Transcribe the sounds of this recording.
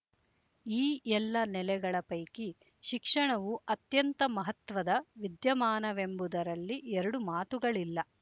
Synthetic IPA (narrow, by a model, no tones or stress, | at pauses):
iːʔɛlːɐnɛlɛɡɐɭɐpɐjki | ʃikʂɐɳɐʋuɐt̪jɐnt̪ɐmɐɦɐt̪ʋɐd̪ɐʋid̪jɐmaːnɐʋe̞mbud̪ɐɾɐlːiʔɛɾɐɽumaːt̪uɡɐɭilːɐ